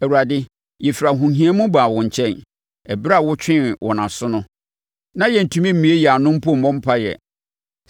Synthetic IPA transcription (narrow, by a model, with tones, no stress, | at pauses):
æ˨wu˨ɾa˨dɪ˦ | jɛ˨fɾa˨ɦũ˨nɦĩ˦a˦mũ˦baː˨wɔ̃˨ɲ˨t͡ɕʰɛ̃˦˨n | ɛ˨bɪ˦ɾa˦˨wʊ˦t͡ɕᶣɪ̃˦˨wʔɔ̰˨nã˨sʊ˦nʊ̃˦ | nã˦jɛ˨n̩˨tʰũ˨mĩ˦m̩˨mĩ˨˦e˦jɛ˨a˨nʊ̃˦m̩˦pu˦˨m̩˨mɔ̃˦m̩˦pʰa˦jɛ̰˨